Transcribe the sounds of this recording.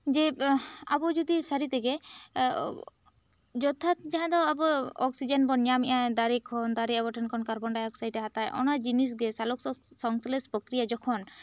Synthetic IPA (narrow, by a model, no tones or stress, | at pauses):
d͡ʒɛa̰bɔd͡ʒɔd̪isaɾit̪ɛɡɛ | d͡ʒɔt̪ʰat̪̚d͡ʒaɦãd̪ɔabɔɔksid͡ʒɛnbɔnjamɛʔãd̪aɾikʰɔnd̪aɾiabɔʈʰankʰɔnkaɾbɔɳɖajɔksajʈɛɦat̪ajʔɔ̰nad͡ʒinis̬ɡɛsalɔksɔŋsɔlɛspɔkɾijad͡ʒɔkʰɔn